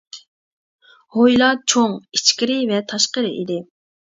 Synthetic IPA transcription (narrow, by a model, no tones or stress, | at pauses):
hojlˠɑt͡ʃʰoŋit͡ʃkʲiɾɪvɛt̪ʰɑʃqəɾɨʔḭd̪ɪ